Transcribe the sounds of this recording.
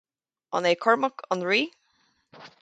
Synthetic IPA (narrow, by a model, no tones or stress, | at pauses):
ɔ̰nekʰɔɹməkʰɔnɹiː